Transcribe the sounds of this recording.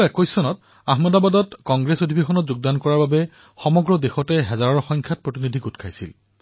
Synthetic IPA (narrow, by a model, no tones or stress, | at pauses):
ɛkojsɔnɔt | aɦmɔdabadɔtkɔŋɡɹesodʱibexɔnɔtzuɡ̚dankɔɹaɹbabɛ | xɔmɔɡɹɔdexɔtɛɦɛzaɹɔɹxɔŋkʰat̚pɹotinidʱiɡutkʰajsḭl